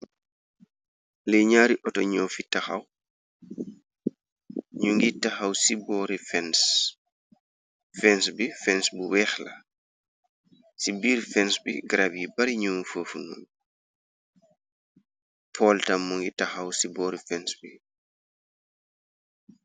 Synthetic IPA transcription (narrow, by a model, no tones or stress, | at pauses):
lɛɲaːɾiʔɔtɔɲɔfitaxa̰w | ɲuŋɡitaxawsibɔɾifɛns | fɛnsbifɛnsbuwɛːxla | sibiːɾfɛnsbḭɡɾabibaɾiɲumufəːfunṵn | pʰɔltamːuŋɡitaxawsibɔːɾifɛnsbi